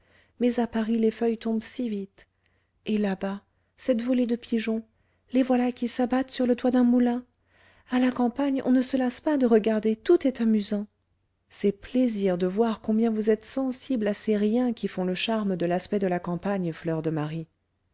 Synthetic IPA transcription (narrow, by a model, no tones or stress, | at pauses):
mɛzapaʁilefœjt̪ɔ̃bsivit̪ | elaba | sɛt̪vɔled̪əpʰiʒɔ̃ | levwalakʲisabat̪syʁlət̪wad̪ɛ̃mulɛ̃ | alakɑ̃paɲɔ̰̃nəsəlaspad̪əʁəɡaʁd̪et̪ut̪ɛt̪amyzɑ̃ | sɛpleziʁd̪əvwaʁkɔ̃bjɛ̃vuzɛt̪sɑ̃siblaseʁjɛ̃kʲifɔ̃ləʃaʁməd̪əlaspɛd̪əlakɑ̃paɲflœʁd̪əmaʁi